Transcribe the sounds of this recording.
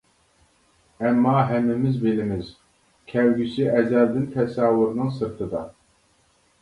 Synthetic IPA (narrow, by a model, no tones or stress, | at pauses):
ɛmːɑːɦɛmːɪmɪzbɪlɪmɪz | kʲʰɛwɡʲisiʔɛzɛld̪ɪnt̪ʰɛsɑːwɨɾnɨŋsɨɾt̪ʰɨd̪ɑ